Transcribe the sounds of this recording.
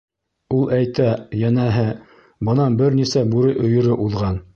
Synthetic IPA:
ulˠʔæjt̪æjænæɦɘ | bɤ̆nɑbɘɾnisæbuɾɘjʔɵ̆jɤ̆ɾɘʔuðʁɑn

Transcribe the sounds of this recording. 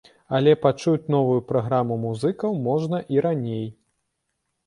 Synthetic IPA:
ɐlʲɛpat͡ʂut͡sʲnɔvujupɾaɣɾamumuzɨkɐwmɔʐnɐʔiɾanʲej

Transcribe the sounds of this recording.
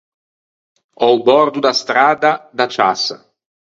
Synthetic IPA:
ɔbɔrd̪ud̪ast̪ɾaːd̪ad̪at͡ʃa̰sa̰

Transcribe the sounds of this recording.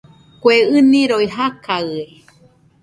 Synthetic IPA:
kʷeɨnĩɾoiɦakʰaɨe

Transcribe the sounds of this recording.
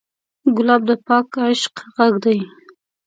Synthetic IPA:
ɡʊlɑb̚d̪əpɑkaɪʃqɣaɡd̪aj

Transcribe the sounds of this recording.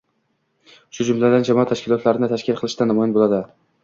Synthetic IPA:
ʃʊd͡ʒʊmlad̪and͡ʒamɒat̪ʰaʃkʲɪlˠɒt̪laɾɪnɪt̪ʰaʃkʲɪlˠqʰɨlˠɪʃd̪anamɒjɒnbolad̪ɪ

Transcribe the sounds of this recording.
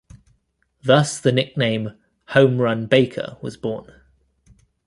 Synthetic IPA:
ðʌsðənɪk̚nẽɪ̃m | hə̃ʊ̃mɹʌ̃nbeɪkʰə̰wɒ̰zbɔːn

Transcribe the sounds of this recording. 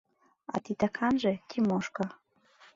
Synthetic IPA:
ɑ̰t̪it̪akʰɑnʒekʰimoʃka

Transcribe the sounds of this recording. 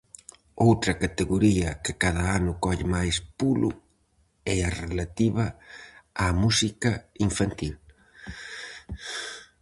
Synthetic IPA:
owt̪ɾɐkat̪eɣoɾiɐkɪkaðɐanʊkɔʎɪmajspulʊ̰ | ɛarelat̪iβɐ | amusikɐiɱfant̪il

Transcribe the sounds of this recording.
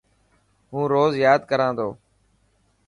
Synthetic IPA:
ɦũːɾoːzjaːd̪kəɾãːnd̪oː

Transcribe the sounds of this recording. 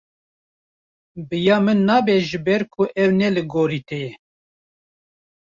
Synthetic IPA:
bɨjɑːmɨnːɑːbɛʒɨbɛɾkʰʊʔɛwnɛlɨɡoːɾiːt̪ɛjɛ

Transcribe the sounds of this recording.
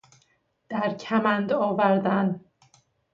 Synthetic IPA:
d̪̥æɾcʰæmænd̪ɒːvæɾd̪æn

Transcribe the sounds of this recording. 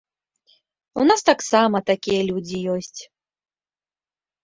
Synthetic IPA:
ṵnast̪aksamɐt̪akʲijɐlʲud͡zʲijɔsʲt͡sʲ

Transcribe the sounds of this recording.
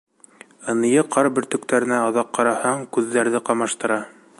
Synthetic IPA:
ɤ̆nɤ̆jɤqʰɑɾbɘ̆ɾt̪ɵ̆k̚t̪æɾɘ̆næɑðɑqːɑɾɑhɑɴkʉðːæɾðɘqɑmɑʃt̪ɤ̆ɾɑ

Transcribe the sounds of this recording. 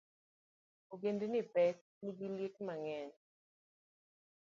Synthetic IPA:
oɡendenɪpɛt̚ | niɡiljet̚maŋɛɲ

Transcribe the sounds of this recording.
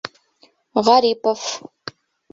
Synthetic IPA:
ʁɑɾiːpɐf

